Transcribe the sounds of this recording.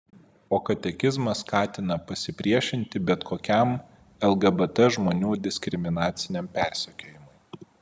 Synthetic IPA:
oːkɐt̪ʲɛkʲɪzmɐskɑːt̪ʲɪnɐpɐsʲɪpʲɾʲiɛʃʲɪnʲt̪ʲɪbʲɛt̪kʰoːkʲɛm | ɛlˠɡɐbɛt̪ɛʒmoːnʲuːd̪ʲɪsʲkʲɾʲɪmʲɪnɑːt̪sʲɪnʲɛmpʲæˑɾʲsʲɛkʲoːjɪmʊɪ

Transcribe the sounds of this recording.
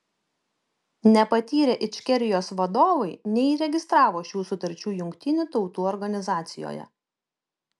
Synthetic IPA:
nʲɛpɐt̪ʲiːɾʲɛːʔɪt͡ʃʲkʲɛɾʲɪjoːsʋɐd̪oːʋɐɪnʲɛiːɾʲɛɡʲɪst̪ɾɑːʋoːʃʲuːsʊt̪ɐɾʲt͡ʃʲuːjʊŋʲkʲt̪ʲɪnʲut̪ɒʊt̪uːɔɾɡɐnʲɪzɑːt̪sʲɪjo̰ːjɛ̰

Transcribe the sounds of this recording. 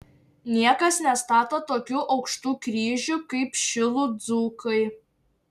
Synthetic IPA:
nʲiɛkɐsnʲɛst̪ɑːt̪oːt̪oːkʲuːʔɒʊkʃt̪uːkɾʲiːʒʲukɐɪpʃʲɪlˠud̪zuːkɐɪ

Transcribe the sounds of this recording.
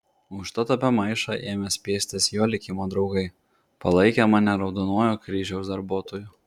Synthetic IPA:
ʊʃt̪ɐt̪ɐpʲɛmɐɪʃɑʔeːmʲɛsʲpʲeːsʲt̪ʲɪsjoːlʲɪkʲɪmoːd̪ɾɒʊɡɐɪ | pɐlˠɐɪkʲɛmɑnʲɛɾɒʊd̪oːnoːjokɾʲiːʒʲɛʊsd̪ɐɾbuɔːt̪oːjʊ

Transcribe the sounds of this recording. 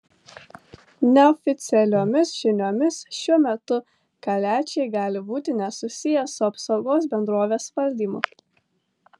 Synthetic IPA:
nʲɛɔfʲɪt̪sʲɛlʲoːmʲɪsʒ̥ʲɪnʲoːmʲɪsʃʲuɔmʲɛt̪ʊ | kɐlʲæːt͡ʃʲɛɪɡɑːlʲɪbuːt̪ʲɪnʲɛsʊsʲɪjɛsʊɐpsɒʊɡoːsbʲɛnd̪ɾoːʋʲeːspɐlʲd̪ʲiːmʊ

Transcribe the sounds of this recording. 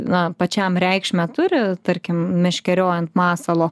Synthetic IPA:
nɐpɐt͡ʃʲæmɾʲɛɪkʃʲmʲɛt̪ʊɾʲɪt̪ɐɾʲkʲɪmmʲɪʃʲkʲɛɾʲoːjɛnt̪mɑːsɐlˠoː

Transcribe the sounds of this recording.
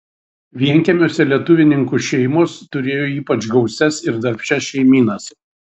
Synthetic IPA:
ʋʲiɛŋʲkʲɛmʲoːsʲɛlʲiɛt̪ʊʋʲɪnʲɪŋkuʃʲɛɪmoːst̪ʊɾʲeːjoːiːpɐt͡ʃɡɒʊsʲɛsɪɾd̪ɐɾʲpʲt͡ʃʲɛʃʲɛɪmʲiːnɐs

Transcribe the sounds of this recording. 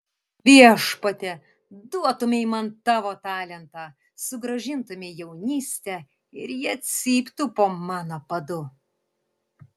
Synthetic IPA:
ʋʲiɛʃpɐt̪ʲɛ | d̪uɔt̪ʊmʲɪɪmɐnt̪ɑːʋoːt̪ɑːlʲɛnt̪ɑː | sʊɡɾɐʒʲɪnt̪ʊmʲɪjɛʊnʲiːsʲt̪ʲɛ | ɪɾjiɐt̪ʲsʲiːpʲt̪ʊpoːmɑːnoːpɐd̪ʊ

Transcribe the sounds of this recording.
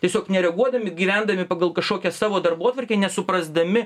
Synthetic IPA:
t̪ʲiɛsʲoːknʲɛɾʲɛɡuɔd̪ɐmʲɪɡʲiːʋʲænd̪ɐmʲɪpɐɡɐlˠkɐʃkoːkʲɛsɑːʋoːd̪ɐrboːt̪ʋɐrʲkʲeːnʲɛsʊpɾɐzd̪ɐmʲɪ

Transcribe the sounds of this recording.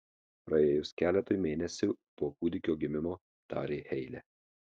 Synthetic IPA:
pɾɐeːjʊskʲæːlʲɛt̪oːjmʲeːnʲɛsʲʊpoːkuːd̪ʲɪkʲoːɡʲɪmʲɪmoː | t̪ɑ̰ːɾʲeːxʲɛɪlʲɛː

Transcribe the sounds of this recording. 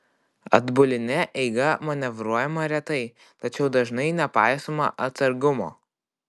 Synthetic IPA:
ɐ̰d̪bʊlʲɪnʲɛʔɛɪɡɐmɐnʲɛʋɾuɔjɛmɐɾʲɛt̪ɐɪ | t̪ɐt͡ʃʲɛʊd̪ɐʒnɐɪnʲɛpɑˑɪsoːmɐ̰ʔɐt̪sɐɾɡʊmo̰ː

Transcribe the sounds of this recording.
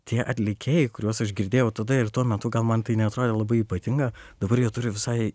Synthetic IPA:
t̪ʲiɛʔɐt̪ʲlʲɪkʲeːjɛɪkʊɾʲuɔsɐʃɡʲɪɾʲd̪ʲeːjɛʊt̪ɐd̪ɐɪrt̪uɔmʲɛt̪ʊɡɐlˠmɐnt̪ɐɪnʲɛɐt̪ɾoːd̪ʲeːlˠɐbɐɪiːpɐt̪ʲɪŋɡɐd̪ɐbɐɾjiɛt̪ʊɾʲʊʋʲɪsɐɪ

